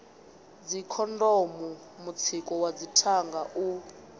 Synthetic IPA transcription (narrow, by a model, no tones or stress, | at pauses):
d͡zikʰɔndɔmu | mut͡sʰikʼɔwad͡zitʰaŋɡaʔu